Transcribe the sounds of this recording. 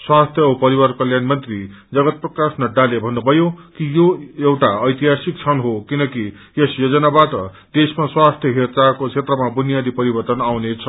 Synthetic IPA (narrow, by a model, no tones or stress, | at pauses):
swast̪ʰjʌupʌɾiwʌrkʌljanmʌnt̪rid͡zʌɡʌt̪̚prʌkasnʌɖalebʱʌnːubʱʌjokijoewʈaʌjt̪iɦasik̚t͡sʰʌnɦokinʌki | jesjod͡zʌnabaʈʌ̰ | d̪̥esmaswast̪ʰjʌɦit͡sakot͡sʰet̪rʌmabunjad̪ipʌɾibʌrt̪ʌnawnet͡sʰʌ